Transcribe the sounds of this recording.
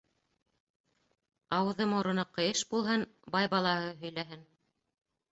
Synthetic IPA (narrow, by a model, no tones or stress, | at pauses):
ɑwɤ̆ðɤmŏɾɤ̆nɤqːɤ̆jɤʃbulˠɦɤnbɑjbɑlˠɑɦɤɦɵ̆jlæɦɘn